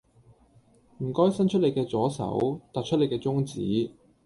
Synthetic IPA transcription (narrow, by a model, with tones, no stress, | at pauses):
m̩˨˩kɔː˥jsɐ˥nt͡ʃʰɵ˥t̚le˨˧jkɛː˧t͡sɔː˨˥sɐ̰˨˥wt̪aː˨t̚t͡ʃʰt̚le˨jkɛː˧t͡sʊ˥ŋt͡sḭː˨˥